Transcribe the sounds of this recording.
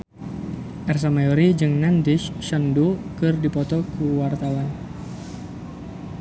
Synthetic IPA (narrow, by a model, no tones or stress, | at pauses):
ʔɛrs̬amajɔɾid͡ʒɨŋnandɪʃʃandukɨrdipɔt̪ɔkuwart̪awan